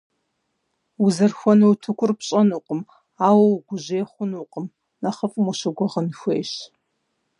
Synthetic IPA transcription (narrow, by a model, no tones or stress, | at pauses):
uzɐrxʷɔnɨwutʰɨkʷʰʊrpɕʼɐnuqʼəm | aːwɐwɡʷʊʑeːχʷʊnuqʼəm | nɐχɐfʼmʷʊɕɐɡʷɔʁənxʷeːjɕ